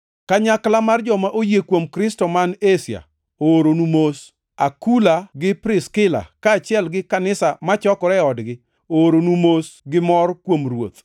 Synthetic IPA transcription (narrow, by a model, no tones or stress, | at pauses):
kaɲaklamard͡ʒɔmaʔojekwomkɾɪstɔmanesja̰ | oːɾonumos | akulaɡɪpɾɪskɪla̰kaːt͡ʃɪjɛlɡɪkanɪsamat͡ʃɔkɾɛɔdɡɪ | ooɾonumosɡɪmɔrkwomrwo̰t̪